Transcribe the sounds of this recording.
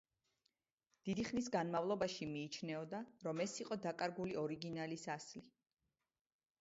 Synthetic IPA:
d̪̥id̪iχnisɡanmavlˠɔbaʃimiːt͡ʃʰnɛɔd̪aɾɔmɛsiqʼɔd̪akʼaɾɡuliɔɾiɡinalisasli

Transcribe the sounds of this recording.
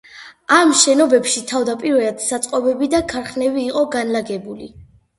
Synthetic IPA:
amʃɛnɔbɛpʃit̪ʰavd̪apʼiɾvɛad̪sat̪sʼqʼɔbɛbid̪akʰaɾχnɛbiːqʼɔɡanlaɡɛbuli

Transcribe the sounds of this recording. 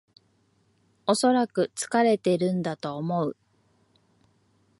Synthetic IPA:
o̞so̞ɾakɯ̟t͡sɨ̥kaɾe̞t̪e̞iɾɯ̟̃nd̪at̪o̞ːmo̞ɯ̟

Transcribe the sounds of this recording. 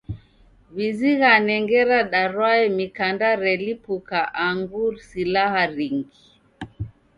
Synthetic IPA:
βiziɣanɛŋɡɛɾaɗaɾwaɛmikandaɾɛlipukaʔaŋɡuɾsilahaɾiŋɡi

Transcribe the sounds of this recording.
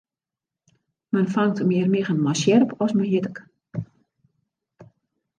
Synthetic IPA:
mənfaŋtmɪərmɪɣənmasjɛrpɔsməjɪtək

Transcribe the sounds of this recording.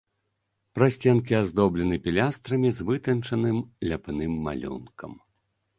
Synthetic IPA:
pɾasʲt͡sʲɛnk̬ʲiazd̪ɔblʲɛnɨpʲilʲast̪ɾɐmʲizvɨt̪ɐnt͡ʂɐnɨmlʲapnɨmːa̰lʲṵnkʰɐ̰m

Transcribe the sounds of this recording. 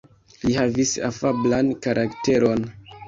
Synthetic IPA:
lihavisa̰fablankaɾʔakte̞ɾo̞n

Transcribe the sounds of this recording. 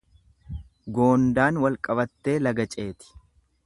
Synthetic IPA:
ɡo̞ːnd̪aːnwɐlkʼɐbɐt̪ːe̞ːlɐɡɐt͡ʃʼe̞ːt̪ɪ̥

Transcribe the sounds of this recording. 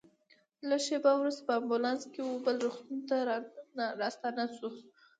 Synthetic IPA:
laʃebawɾust̪apəambulɑnskewobəlɾuxt̪unt̪a | ɾɑst̪ɑnasu

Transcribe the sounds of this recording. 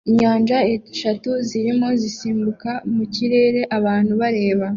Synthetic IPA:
iɲaːnʒaeʃatuziɾimo̞zisiːmbukamuciɾe̞ːɾe̞ʔaβaːn̥huβaɾe̞ːβa

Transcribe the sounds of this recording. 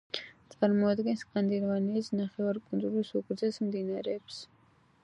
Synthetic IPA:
t̪t͡s̪ʼaɾmɔad̪ɡɛnskʼand̪iɾɔvanisnaχɛwaɾkʼunzuɾisuɡɾzɛsmd̪inaɾɛːbs

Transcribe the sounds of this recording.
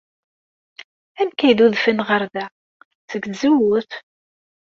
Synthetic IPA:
æmkæjðuðfənʁəɾðæ | t͡səɡzuwəθ

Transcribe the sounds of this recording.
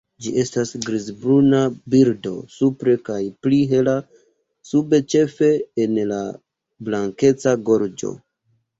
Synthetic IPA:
d͡ʒiʔe̞stasɡɾizbɾunabiɾdo̞supɾe̞kajpliɦe̞la | sube̞t͡ʃe̞fe̞ːnla̰ | blaŋke̞t͡saɡo̞ɾd͡ʒo̞̰

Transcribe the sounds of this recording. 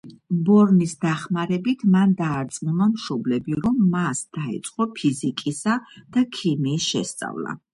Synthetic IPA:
bɔɾnisd̪aχmaɾɛbit̪ʰmand̪aːɾt̪sʼmunamʃɔblɛbiɾɔmːasd̪̥aḭt̪sʼqʼɔpʰizikʼisad̪̥akʰimiːsʃɛst̪sʼa̰vla̰

